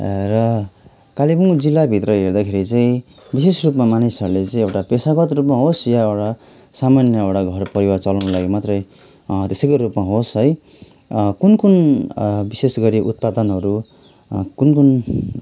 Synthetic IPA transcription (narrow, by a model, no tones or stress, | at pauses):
rʌ | kalibuŋd͡zilːabʱit̪rʌɦeɾd̪akʰeɾit͡saĩ | bisesrupmamanisʌɾulet͡sãĩewʈapesaɡʌt̪rup̬maɦosjaewʈa | samanjʌewʈaɡʱʌrpʌɾiwart͡sʌlʌnlaɡimat̪rʌj | t̪esʌkoɾupmaɦosɦʌj | kunkun | bisesɡʌɾiʔut̪̚pad̪ʌnɦʌɾu | kunkun